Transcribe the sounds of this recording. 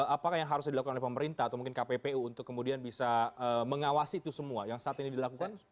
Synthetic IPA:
apakahjaŋɦaɾʊs̬dilakukanolɛhpəməɾint̪ahat̪awmuŋkɪnkapepeuːnt̪ʊkːəmudianbisaəməŋawasiːt̪usəmuajaŋsaʔat̪inidilakukan

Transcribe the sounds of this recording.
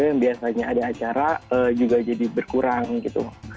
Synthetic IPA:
aŋbiasaɲaadaːt͡ʃaɾaəd͡ʒuɡad͡ʒadibərkuɾaŋɡit̪ṵ

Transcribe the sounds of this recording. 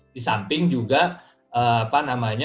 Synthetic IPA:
d̥isampɪŋd͡ʒuɡa | ʔəapanamaɲa

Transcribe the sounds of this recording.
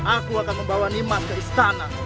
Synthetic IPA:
akuakanməmbawanimas̚kəist̪ana

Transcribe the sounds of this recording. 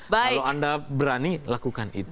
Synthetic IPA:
baailawandabəɾanilakukanḭt̪

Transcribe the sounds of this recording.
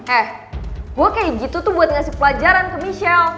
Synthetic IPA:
ɛh | ɡuakajaɡit̪ut̪ʊbuat̪̚ŋasipəlad͡ʒaɾankəmiʃɛl

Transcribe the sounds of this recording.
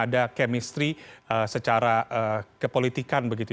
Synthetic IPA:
adakɛmist̪ɾiəsət͡ʃaɾaʔəkəpolit̪ikanbəɡit̪u

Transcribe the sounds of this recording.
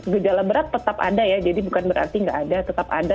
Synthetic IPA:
ɡəd͡ʒalabəɾat̪ːət̪apa̰dajad͡ʒadibukanbəɾʔa̰rt̪iŋɡaʔːdat̪ət̪apa̰da

